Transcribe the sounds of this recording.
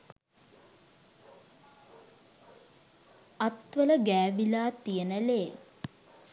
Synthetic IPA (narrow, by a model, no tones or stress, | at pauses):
ɐt̪ʋələɡæːʋilaːt̪ijənəleː